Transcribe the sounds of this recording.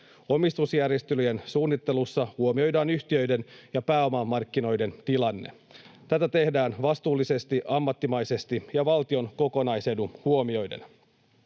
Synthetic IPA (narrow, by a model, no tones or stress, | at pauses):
o̞mist̪usjærjest̪ylyjensuːnːit̪ːe̞lusːɑhuo̞mio̞jdɑːnyçt̪iø̞jde̞njɑpæːo̞mɑmːɑrkːino̞jde̞nt̪ilɑnːe̞̰ | t̪æt̪æt̪e̞hdæːnʋɑst̪uːlːise̞st̪iʔɑmːɑt̪ːimɑjse̞st̪ijɑʋɑlt̪io̞nko̞ko̞nɑjse̞duhuo̞mio̞jde̞̰n